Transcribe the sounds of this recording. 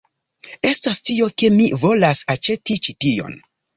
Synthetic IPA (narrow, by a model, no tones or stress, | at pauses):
e̞stastio̞ke̞mivo̞lasat͡ʃe̞tit͡ʃitio̞̰n